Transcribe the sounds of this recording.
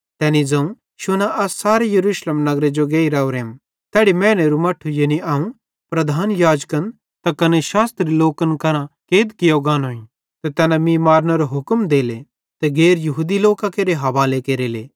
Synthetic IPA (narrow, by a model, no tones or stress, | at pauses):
t̪ɛːnid͡zɐ̃ũ | ʃʊnaʔɐsaːɾejɐɾuːʃleːmnɐɡɾed͡ʒoɡeːiɾɛuɾeːm | t̪ɛːɽimɛ̃ːneɾumɐʈʰːujeniaːũ | pɾɐd̪ʱaːnjaːd͡ʒkən | t̪akɐneʃaːst̪ɾiloːkənkɐɾãkeːd̪kɪjoɡaːnoːĩ | t̪et̪ɛːnamĩmaːɾnɐɾoɦʊkmd̪eːle | t̪eɡeːɾjɐɦuːd̪iloːkakeːɾeɦɐʋaːlekeːɾeleː